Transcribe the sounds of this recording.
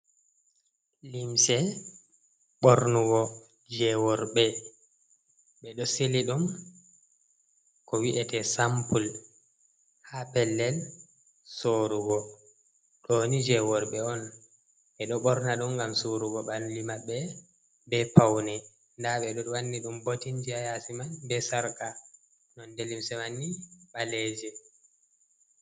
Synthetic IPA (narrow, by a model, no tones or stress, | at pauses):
limsɛ | ɓɔɾnuɡɔ | d͡ʒɛwɔɾɓɛ | ɓɛɗɔseliɗum | kɔwiʔɛtɛsampul | hapɛlːɛl | soɾuɡɔ | ɗonid͡ʒɛwɔɾɓɛɔn | ʔɛɗɔɓɔɾnaɗumɡamsoɾuɡɔɓallimaɓːɛ | bɛpawnɛ | ndaɓɛɗɔwanːiɗumbotind͡ʒiajasimanbɛsaɾka | nɔndelimsɛmanːiɓaleːd͡ʒɛ